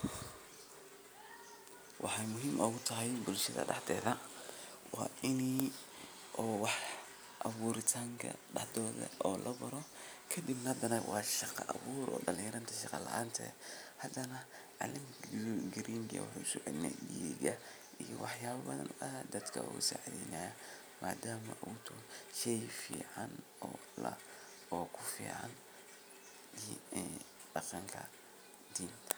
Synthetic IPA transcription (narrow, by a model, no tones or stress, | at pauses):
wʔɑ̰ħɑjmʊɦiːmʔɔːɣʊt̪ʰɐɦɛjbʊlʃɐðɐ̰ɖɑħd̪ɛːðɐ | wɑːʔɪni | ʔɔːwɑħ | ʔɐβuːɾɪt̪ʰaːŋkʰɐ̰ɖɑħd̪ɔːðɐ̰ɔːlʔɐbɐɾɔ | kʰɐd̪ibnɐhɐd̪ɐnɐwʔɑːʃɑqɑʔɐβuːɾɔ̰ːɖɐlɪjɾɐnt̪ʰɐʃɑqɑlɐ̰ʔaːnt̪ʰɛ̰hɐd̪ɐnɐ | ʕɑlɪmɡɪɾiŋɡɛ̰w̰ħusʊad̪nɛ̰ɗiːɡɐ | ijɔwɑħjaːβɐbɐðɐ̰nʊahd̪ɐd̪kʰɐ̰ʊ̰saʕd̪ḭnaːja | mʔaːd̪aːmɐʔʊʊt̪ʰʊʃɛjfiːʕɑn | ɔː | lɐ̰ | ɔːkʰʊfḭːʕɑ̰n | d̪i | ɖɑqɑŋkʰɐ | d̪iːnʰ